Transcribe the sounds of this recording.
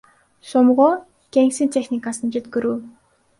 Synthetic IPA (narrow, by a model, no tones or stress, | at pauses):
sʊmʁoː | ɡ̥eŋksɘ̆nt̪ʰexnikasə̆nt͡ɕet̪ɡɵ̆ɾuː